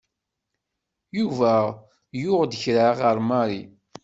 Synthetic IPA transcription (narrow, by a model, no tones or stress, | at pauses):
juvæ | jʊʁd̪əçɾaʁəɾˤmaɾi